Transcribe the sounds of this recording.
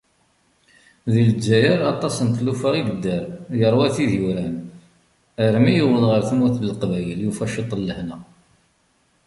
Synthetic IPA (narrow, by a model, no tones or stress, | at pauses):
ðild͡ʒːæjəɾɑt̪ˤːɑsənt̪lufəɾid̪əd̪ːəɾjəɾˤwæθiðjuɾæn | əɾmijəwəlʁəɾθəmuθləlqvæjəljufæʃit̪ˤːəlːəhna